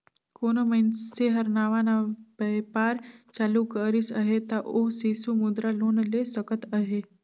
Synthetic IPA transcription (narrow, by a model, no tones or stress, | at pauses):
koːnomənseɦəɾnaːʋanabəpaːɾt͡ʃaːlukəɾisəɦet̪aʔoɦsisumud̪ɾaloːnlesəkət̪əɦe